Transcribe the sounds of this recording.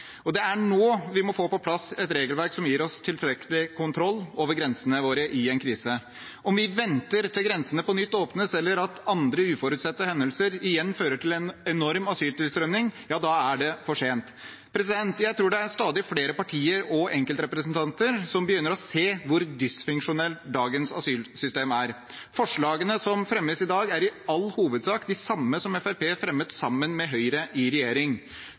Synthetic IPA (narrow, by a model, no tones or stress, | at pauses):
ɔd̪ɛæɳoːʋɪmɔfoːpɔpʰlɑsɛt̪ɾeːɡəlʋæɾksɔmjiːɾɔst̪ʰɪlfɾɛkəlɪkʰʊnt̪ʰɾɔlːoːʋəɾɡɾɛnsənəʋoːɾəʔɪɛnkʰɾiːsə | ɔmʋɪʋɛnt̪əɾt̪ʰɪlɡɾɛnsənəpɔnʏt̪ːoːpnəsɛlːəɾɑt̪ɑnd̪ɾəʉːfɔɾʉːt̪sɛt̪ːəhɛnːəlsəɾɪjɛnːføːɾəʈʰɪlɛnɛnɔɾmɑsyːlt̪ɪlst̪ɾœmnɪŋjɑːd̪ɑːæɖɛfɔʂeːnt̪ | pʰɾɛsɪd̪ɛnt̪jæɪt̪ʰɾuːɖɛæɾst̪ɑːd̪ɪfleːɾəpɑʈʰiːəɾɔʔɛŋkəlt̪ɾɛpɾəsnt̪ʰɑnt̪əɾsɔmbəjʏnːəɾɔseːʋʊɾd̪ɪsfʏŋkʂʊnɛlt̪d̪ɑːɡənsɑ̰syːlsʏst̪eːmæɾ | fɔʂɭɑːɡənəsɔmfɾɛmːəsɪd̪ɑːɡæɾɪɑlːhuːʋəd̪sɑːkd̪ɪsɑmːəsɔmɛfæɾpʰeːfɾɛmːət̪ssɑmːənmɛɦœʏɾəʔɪɾɛjeːɾɪŋ